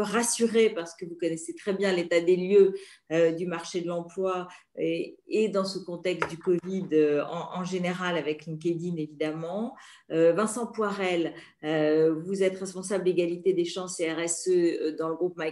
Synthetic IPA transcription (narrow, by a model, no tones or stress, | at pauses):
ʁasyʁepaʁsə̥kəvukɔnɛset̪χɛbjɛ̃let̪ad̪eljø | ød̪ymaʁʃed̪əlɑ̃plwa | ed̪ɑ̃səkɔ̃t̪ɛkst̪d̪ykɔvid̪øɑ̃ʔɑ̃ʒeneʁalavɛklĩŋk̬ʲed̪inevid̪amɑ̃ | øvɛ̃sɑ̃pwaʁɛl | øvuzɛt̪ʁɛspɔ̃sabld̪eɡalit̪ed̪eʃɑ̃seɛʁɛsød̪ɑ̃ləɡʁup̚maj